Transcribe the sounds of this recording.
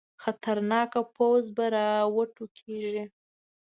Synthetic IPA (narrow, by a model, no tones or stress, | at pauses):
xat̪aɾnɑkapʰawzbaɾɑwəʈukʰeʒi